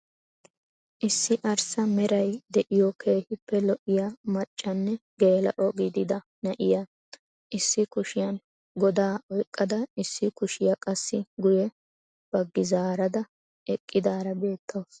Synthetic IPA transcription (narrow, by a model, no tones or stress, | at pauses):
ʔɪsːɪʔɐɾsɐmɛɾɐjd̪ɛʔɪjɔkʰe̞ːhɪpːɛlɔʔɪjamɐt͡ʃʼːɐnːɛɡe̞ːlɐ̰ʔɔɡɪd̪ɪd̪ɐ | nɐʔɪja | ʔɪsːɪkʊʃɪjɐn | ɡɔd̪aːɔjkʼːɐd̪ɐɪsːɪkʊʃɪjɐkʼɐsːɪɡʊjɛ | b̥ɐɡːɪzaːɾɐd̪ɐ | ɛkʼːɪd̪aːɾɐbe̞ːt̪ʰːoːs